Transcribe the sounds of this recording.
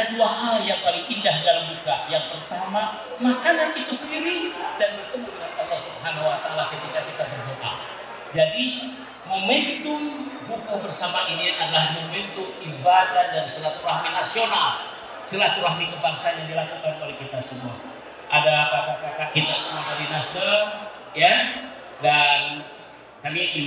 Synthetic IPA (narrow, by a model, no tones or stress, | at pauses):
aduaɦaljaŋpalɪŋindahdalaŋd͡ʒuɡajaŋpərt̪ama | makananit̪usəndiɾidanbərt̪əmudəŋant̪alasubɦanawat̪aalahkət̪ikakit̪ab̪ərɦoʔa̰ | d͡ʒadi | məmənt̪ʊnbukabərsamaʔiniʔadalahməmbənt̪ʊkibadadansəlat̪ulaɦanasional | səlat̪ulahnikəbaŋsajaŋdilakukanolɛkit̪asəmua | ʔadakakakakakit̪asəmuamadinasdə | ja | dan | kamiʔi